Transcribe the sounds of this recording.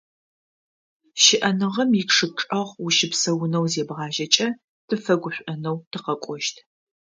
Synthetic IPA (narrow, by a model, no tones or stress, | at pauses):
ʃɪʔɐnɨʁɐmjɪkʂɨʈ͡ʂʼɐʁwʊʃɪpsɐwʊnɐwzeːbʁɑːʒɐt͡ʃʼɐ | tʰɨfɐɡʷʊɕʷʼɐnɐwtʰɨqɐkʷʼɔʃtʰ